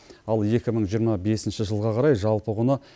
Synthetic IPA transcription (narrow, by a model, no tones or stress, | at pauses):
ɑlˠe̞kʲɪməɴʒijəɾmɑbe̞sɪnʃɪʒəlˠʁɑqʰɑɾɑjʒɑlˠpəʁʊnə